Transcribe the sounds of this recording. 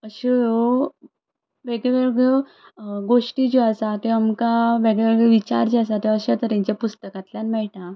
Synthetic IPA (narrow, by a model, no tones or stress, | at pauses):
əɕejo | ʋeɡeʋeɭɡe | ɡoʂʈid͡ʑeasat̪eamkaʋeɡɭeʋeɭɡɭeʋit͡ɕa̰ɾd͡ʑiasat̪eəɕeat̪əɾãɲt͡ɕjapust̪əkat̪ljanmɛɭʈ̪ã